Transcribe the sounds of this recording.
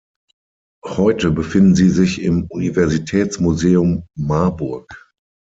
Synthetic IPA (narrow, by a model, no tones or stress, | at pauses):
hɔʏtəbəfɪndn̩ziːzɪçɪmunivɛɐzitʰɛːt͡smuzeːʊmːaɐbʊɐk